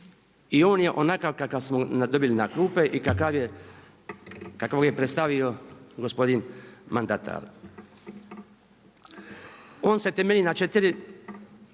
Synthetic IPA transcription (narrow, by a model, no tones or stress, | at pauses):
io̞ːnje̞ʔo̞nakakakaʋsmonad̪obilinakɾuːpeʔikaka | kakʋoɡjepɾest̪aʋio̞ɡo̞spo̞d̪inmand̪at̪ʰa̰ɾ | o̞ːnse̞t̪emelʲinat͡ʃet̪iɾi